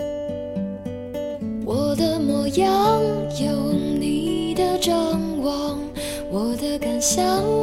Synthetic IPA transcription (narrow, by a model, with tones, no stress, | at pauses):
wʔɔ˨˩d̪ə˧mɔ˨˩jɑ˧˥ŋjo˨˥ʊni˨˩d̪ə˧ʈ͡ʂɑ˥˧ŋwɑ˧˩ŋ | wɔ˨˩d̪ə˧ka˨˩nɕjɑ˧